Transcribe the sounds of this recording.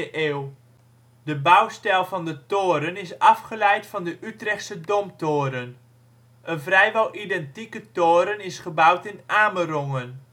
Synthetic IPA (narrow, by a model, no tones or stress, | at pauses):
əʔeːw | dəbawstɛlˠvɑndətoːɾənɪsɑfχəlɛjtfɑndəʔytrɛxtsədomtoːɾən | ʔənvrɛjʋɔlˠʔidɛntikətoːɾənɪsχəbawtɪnʔaːməroŋən